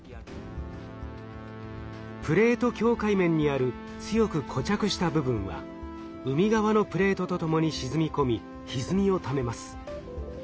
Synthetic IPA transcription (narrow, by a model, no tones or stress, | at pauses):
pɯ̟ɾe̞ːt̪o̞kʲo̞ːkaimẽ̞ɲ̟ːiaɾɯ̟ | t͡sɨjo̞kɯ̟kʰo̞t͡ɕakɯ̟ɕi̥t̪abɯ̟bɯ̟̃ɰ̃βa̰ | ɯ̟mʲiɡaβano̞pɯ̟ɾe̞ːt̪o̞t̪o̞t̪o̞mo̞ɲ̟iɕizɨmʲiko̞mʲi | çizɨmʲio̞t̪ame̞masɨ̥